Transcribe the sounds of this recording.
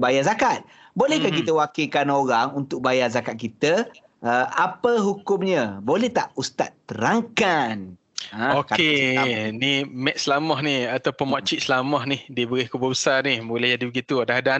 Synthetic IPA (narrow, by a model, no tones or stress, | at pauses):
bajazakat̪̚ | bolɛhkankit̪əwakikanoɾaŋunt̪ʊk̚bajazakat̪̚kit̪ə | əʔapəɦukʊmɲə̃bolɛht̪aʔust̪a̰t̪ːəɾaŋkan | ə̃okaenimɛʔsəlamɔhniat̪awpʊnmaʔt͡ʃiʔslamɔhnihdibəɾihkubəbəsarnihbolɛhd͡ʒadibəɡit̪uadahda